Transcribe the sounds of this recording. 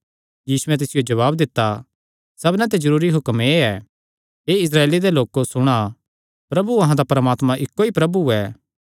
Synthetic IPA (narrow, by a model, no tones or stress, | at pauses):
jiːsuɛ̃t̪̬ɪsɪjod͡ʒɐβaːbd̪ɪt̪ːa | sɐbnɛ̃t̪̬ed͡ʒɐɾuːɾiɦʊkmeɛ | eːɪs̬ɾaːeːlid̪eloːkosʊɽ̃a | pɾɐbuɐɦãd̪apɐɾəmaːt̪mãʔɪkːoipɾɐbuɛ